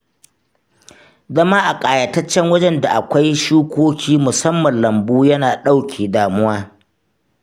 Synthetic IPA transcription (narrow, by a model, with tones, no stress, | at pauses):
zɐ˦maː˦ʔa˨kʼaː˨jɐ˨tɐ˦t͡ʃːɛ˦ŋwɐ˦d͡ʒɛ˦nda˨ʔa˨kʷa˦jʃuː˦kʷoː˦kʲʰiː˦mʊ˨sɐ˦mːɐ˨nlɐ˨mbuː˦jɐ˦naː˨ɗa˦wkʲʰeː˨daː˨mʊ˦waː˦